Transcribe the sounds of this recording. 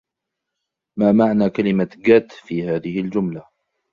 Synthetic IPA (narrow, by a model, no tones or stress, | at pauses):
maːmaʕnaːkalɪmaɡat̪fiːhaːðɪhɪld͡ʒʊmla